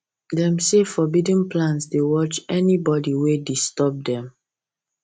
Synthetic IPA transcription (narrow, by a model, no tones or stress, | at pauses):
dɛ̃msefɔbidĩnplãnsdewɔt͡ʃɛnibɔdiwedistɔb̚dɛ̃m